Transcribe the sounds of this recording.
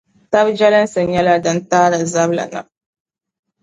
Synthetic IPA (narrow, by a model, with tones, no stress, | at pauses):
ta˦bd͡ʒɛ˦lɨ˦n˦sɨ˨ɲɛ˦la˦dɨ˦ntaː˦ɾɨ˨za˦bla̰˨na̰˨